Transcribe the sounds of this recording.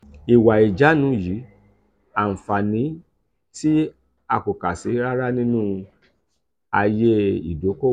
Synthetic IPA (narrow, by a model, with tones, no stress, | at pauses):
i˨wa˨i˨d͡ʒa˨˦nũ˨˦ji˨˦ | a˨fa˨nĩ˨˦ | ti˦ | a˧˨ko˨ka˨se˨˦ɾa˦ɾa˦nĩ˦nũ˦˧ | a˧je˦ḭ˨do˨˦ko˦